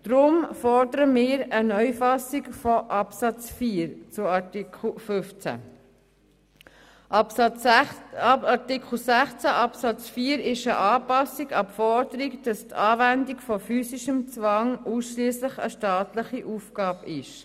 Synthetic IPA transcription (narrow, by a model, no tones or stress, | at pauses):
d̥ɾʊmfɔɾdəɾəmɪːɾənœʏfɑsikfɔʔɑpsɑt͡sfiːɾt͡sʊɑlfʏft͡sæ̰ | ɑtɪkl̩sæχt͡sæʔɑpsɑt͡sfiːəɾɪʃəʔɑːpɑsiɡɑpfɔɾdəɾikd̥ɑstɑːvændikfɔfyːsɪʃəmt͡svɑŋuːsʃliːəslɪχə̰ʃtɑːtlɪχiʔuːfɡ̥ɑːbɪʃ